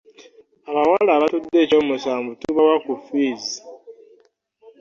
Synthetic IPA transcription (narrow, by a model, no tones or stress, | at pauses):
aβawalaːβatudːe̞ːco̞ːmusaːmvutuβawakufiːzi